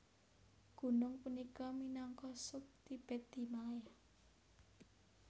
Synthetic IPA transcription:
ɡ̥ṳnʊŋpunikɔminɔŋkɔsʊp̚t̪ib̥e̤d̪̥i̤maja

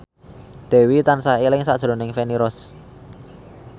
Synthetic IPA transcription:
d̪̥e̤wit̪ansaelɪŋsa̰d̥ʒ̥ɾo̤nɪŋfeniɾɔs

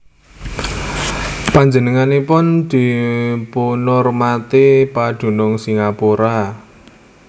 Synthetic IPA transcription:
paɲd͡ʒənəŋanepʊnd̪̥i̤punʊrmat̪epad̪̥ṳnʊŋsiŋapuɾa

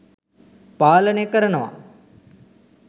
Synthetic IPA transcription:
paːlɐnekəɾɐnɐʋa̰

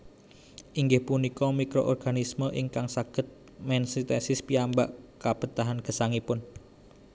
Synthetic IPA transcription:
ʔiŋɡɪhpunikɔmikɾo̰ʔɔrɡ̥anisməʔiŋkaŋsaɡ̥ə̤t̪̚ | mɛnsit̪ɛsɪspiambaʔkab̥ət̪aɦanɡ̥ə̤saŋipʊn

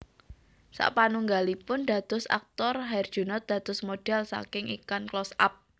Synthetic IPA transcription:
sa̰ʔpanuŋɡalipʊnd̥̪a̤d̪̥ʊsa̰k̚t̪ɔrɦaɪrd̥ʒ̥ṳnɔt̪̚d̪̥ä̤d̪̥ʊsmod̥ɛ̤lsa̰kɪŋḭkanklɔsa̰p̚

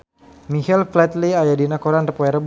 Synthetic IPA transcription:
mihɛlflɛt̪liajadinakɔɾanrəpɔɛɾəb

